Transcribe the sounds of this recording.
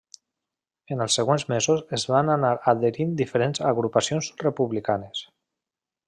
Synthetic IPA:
enəlˠsːeɣwenzmezuzezβananaɾaðeɾind̪ifəɾenzaɣɾupasionzrepuβlikanes

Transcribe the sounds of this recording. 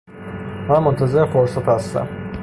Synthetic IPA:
mæmmːont̪ʰazeɾefoɾsat̪hast̪æ̰m

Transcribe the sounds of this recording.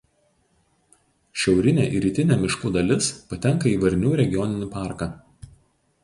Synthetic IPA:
ʃʲɛʊɾʲɪnʲeːʔiɾʲiːt̪ʲɪnʲɛːmʲɪʃkuːd̪ɐlʲɪspɐt̪ʲɛŋˑkɐiːʋɐɾʲnʲuːɾʲɛɡʲɪjɔnʲɪnʲɪpɑˑɾkɑː

